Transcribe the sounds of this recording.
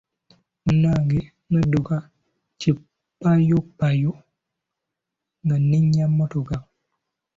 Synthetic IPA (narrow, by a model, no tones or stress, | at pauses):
unaɡe | mədoɡa | t͡ʃi | pajopajo | ŋəniɲamotoɡa